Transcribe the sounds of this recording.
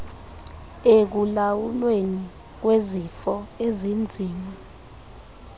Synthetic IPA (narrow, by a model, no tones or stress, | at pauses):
ek̬ulawulweni | k̬wezifɔezind͡zʱiːma